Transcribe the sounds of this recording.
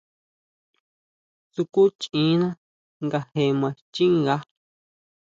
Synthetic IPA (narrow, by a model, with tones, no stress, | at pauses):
su˧ku˦t͡ʃĩ˨˦nã˦ | ŋɡa˧he˧mã˧˨t͡ʃi˦ŋɡa˧˦